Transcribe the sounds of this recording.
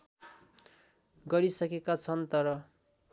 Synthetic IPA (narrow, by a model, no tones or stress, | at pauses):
ɡʌɾisʌkekat͡sʰʌnt̪ʌɾʌ